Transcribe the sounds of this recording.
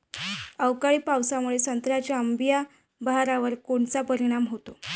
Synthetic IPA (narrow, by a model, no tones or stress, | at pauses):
əwkaɭiːpawsamuɭesənt̪ɾat͡ɕjaəmbija | baɦaɾaʋəɾkoɳt͡sapəɾiɽ̃amɦot̪o